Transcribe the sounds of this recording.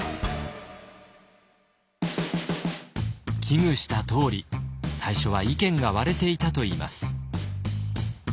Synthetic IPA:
kʲʰiŋɯ̟ɕi̥t̪at̪o̞ːɾʲisaiɕo̞βaikẽ̞ŋɡaβaɾe̞t̪e̞it̪at̪o̞iːma̰sɨ̥

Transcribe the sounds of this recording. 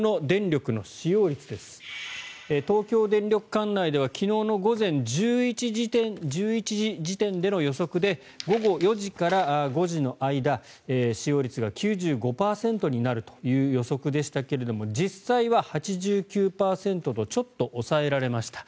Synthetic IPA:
no̞d̪ẽ̞nɾʲo̞kɯ̟no̞ɕijo̞ːɾʲit͡sɨd̪e̞sɨ̥ | et̪o̞ːkʲo̞ːd̪ẽ̞nɾʲo̞kɯ̟̥kãnːaid̪e̞β̞akʲʰino̞ːno̞ɡo̞zẽ̞ɲd͡ʑɨːit͡ɕiʑit̪ẽnd͡ʑɨːit͡ɕiʑiʑit̪ẽ̞nd̪e̞no̞jo̞so̞kɯ̟d̪e̞ | ɡo̞ɡo̞jo̞ʑikaɾaɡo̞ʑino̞ʔaid̪a | eːɕijo̞ːɾʲit͡sɨɡakʲɨːʑɨːɡo̞paːsẽ̞nt̪o̞ɲ̟inaɾɯ̟t̪o̞̥jɯ̟ːjo̞so̞kɯ̟d̪e̞ɕi̥t̪ake̞ɾe̞d̪o̞mo̞d͡ʑisaiβahat͡ɕiʑɨːkʲɨːpaːsẽ̞nt̪o̞t̪o̞t͡ɕo̞t̪ːo̞ʔosae̞ɾaɾe̞maɕi̥t̪ḁ

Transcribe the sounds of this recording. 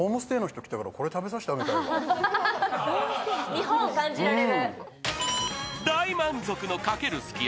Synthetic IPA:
oːmosɨ̥t̪e̞ːnoçi̥t̪o̞kʲi̥t̪akaɾa̰ko̞ɾe̞t̪abe̞s̬aɕi̥t̪aɡet̪a | ɲiɦõɰ̃okãɲd͡ʑiɾaɾeɾɯ | d̪aimãnzo̞kɯ̟no̞kake̞ɾɯ̟sɨ̥kʲi

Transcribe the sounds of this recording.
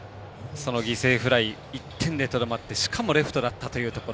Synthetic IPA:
so̞no̞ɡʲise̞ːɸɯ̟ɾai | it̪ʰːẽ̞nd̪et̪o̞d̪omat̪ːe̞ɕi̥kʰamo̞ɾe̞ɸɯ̟̥t̪o̞d̪at̪ːat̪o̞jɯ̟ːt̪o̞koɾ

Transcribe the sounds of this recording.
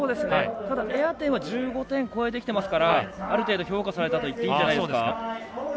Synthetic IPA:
oːd̪e̞sɨnet̪ad̪aʔeat̪ẽ̞ɰ̃βaʑɨːɡo̞t̪ẽ̞ŋko̞e̞d̪ekʲi̥t̪e̞masɨ̥kaɾaaɾɯ̟t̪e̞ːd̪o̞çʲo̞ːkasaɾe̞t̪at̪o̞it̪ːeiɲd͡ʑanaid̪oːd̪eɨaka

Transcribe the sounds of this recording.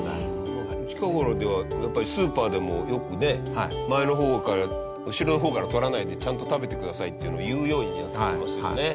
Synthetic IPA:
na̰ɾo | t͡ɕi̥kaɡo̞ɾod̪e̞βajapːaɾʲisɨːpaːd̪e̞mo̞jo̞kɯ̟ne̞hamae̞no̞ɦo̞ːkaɾa | ɯ̟ɕiɾo̞noɦo̞ːkaɾat̪o̞ɾanaid̪e̞t͡ɕãnt̪o̞t̪abe̞t̪e̞kɯ̟d̪asait̪ːe̞iɯ̟no̞ajɯ̟ːjo̞ːɲ̟ina̰t̪ːeemasɨo̰ne̞

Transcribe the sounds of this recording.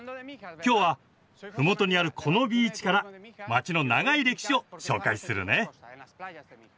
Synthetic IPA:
kʲo̞ːβa | ɸɯ̟mo̞t̪o̞ɲ̟iaɾɯ̟kʰo̞no̞bʲiːt͡ɕi̥kaɾamat͡ɕino̞naɡaiɾe̞ki̥ɕio̞ɕo̞̰ːkaisɨɾɯ̟̰ne̞

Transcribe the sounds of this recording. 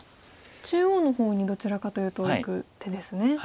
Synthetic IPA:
t͡ɕɨːoːno̞ho̞ːɲ̟id̪o̞t͡ɕiɾakat̪o̞jɯ̟ːt̪o̞ikɯ̟t̪e̞d̪esɨne̞

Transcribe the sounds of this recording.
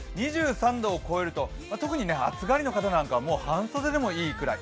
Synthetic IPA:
ɲ̟iʑɨːsãnd̪o̞ːko̞e̞ɾɯ̟t̪o̞mat̪o̞kɯ̟ɲ̟ine̞a̰t͡sɨɡaɾʲino̞kat̪anãŋkaβamo̞ːhãɰ̃soːd̪ed̪e̞mo̞iːkɯ̟ɾa̰i

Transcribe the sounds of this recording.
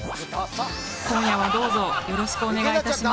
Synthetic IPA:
kõɰ̃jaβad̪o̞ːzo̞jo̞ɾo̞ɕi̥kɯ̟one̞ɡait̪aɕima

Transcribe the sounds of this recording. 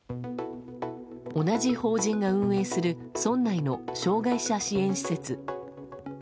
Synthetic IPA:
o̞nad͡ʑiho̞ːʑĩŋɡaɯ̟̃ɰ̃e̞ːsɨɾɯ̟ | sõ̞nːaino̞ɕo̞ːɡaiɕaɕiẽ̞ɰ̃ɕi̥se̞t͡sɨ

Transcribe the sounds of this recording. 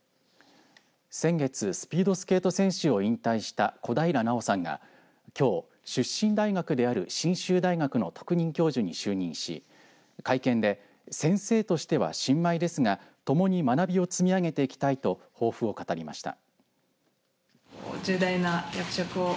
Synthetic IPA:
sẽ̞ŋɡe̞t͡sɨsɨ̥pʲiːd̪o̞sɨ̥ke̞ːt̪o̞sẽ̞ɰ̃ɕɨo̞ĩnt̪aiɕi̥t̪ako̞d̪aiɾanao̞sãŋɡa̰ | kʲo̞ː | ɕɨɕĩnd̪aiɡakɯ̟d̪e̞aɾɯ̟ɕĩɰ̃ɕɨːd̪aiɡakɯ̟no̞t̪o̞̥kɯ̟ɲ̟ĩŋkʲo̞ːʑɨɲ̟iɕɨːɲ̟ĩɰ̃ɕḭ | kaikẽ̞nd̪e̞ | sẽ̞ɰ̃se̞ːt̪o̞ɕi̥t̪e̞βa̰ɕĩmːaid̪e̞sɨŋat̪o̞mo̞ɲ̟imanabʲio̞t͡sɨmʲiaɡe̞t̪e̞ikʲi̥t̪ait̪o̞ | ho̞ːɸɯ̟o̞kat̪aɾʲima̰ɕi̥t̪a̰ | od͡ʑɨːd̪ainajakɯ̟̥ɕokɯ̟o

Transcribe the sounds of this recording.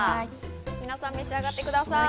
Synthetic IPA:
minasamesaɡat̪ekud̪asa

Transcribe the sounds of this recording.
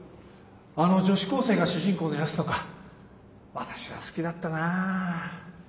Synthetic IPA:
ano̞d͡ʑo̞ɕi̥ko̞ːse̞ːɡaɕɨʑĩŋko̞ːd̪ejasɨ̥t̪oka | βat̪ḁɕiβa̰sɨ̥kʲid̪at̪ːana

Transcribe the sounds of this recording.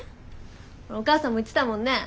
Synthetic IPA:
ookaːsãmːoitt͡sːɨ̥t̪amõnːe̞

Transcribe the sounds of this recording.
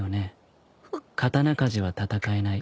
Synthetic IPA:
one̞ | kʰat̪anakaʑiβ̞at̪at̪akae̞nai

